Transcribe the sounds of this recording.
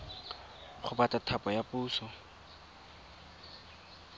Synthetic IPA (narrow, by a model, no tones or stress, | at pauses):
χʊbatʼatʰapɔjapʼuːsɔ